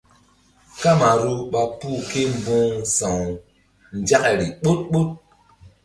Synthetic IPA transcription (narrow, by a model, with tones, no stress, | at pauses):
ka˦ma˨ɾu˦ɓa˨puː˦˨ke˦m˦bõ˦sã˨ŋ | n˨d͡ʒa˦ʔɾi˨ɓo˦t̚ɓo˦t̚